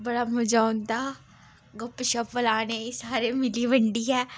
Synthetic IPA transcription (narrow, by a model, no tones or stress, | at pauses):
bəɽaːmʊd͡ʒaːnd̪aː | ɡəpːʃəpʋəlaːnesaːɾeːmɪliːʋəɳɖiːɛː